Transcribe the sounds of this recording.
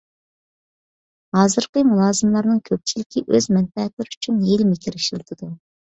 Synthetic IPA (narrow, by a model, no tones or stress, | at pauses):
hɑːzɨɾqəmulˠɑːzɨmlˠɑɾnɨŋkʲʰøp̚t͡ʃʰilɪkʲʰiʔøzmɛnpɛɛt̪lɪɾɪyt͡ʃʰynjelmɪkʲʰiɾɪʃilˠɨt̪ʰɨd̪u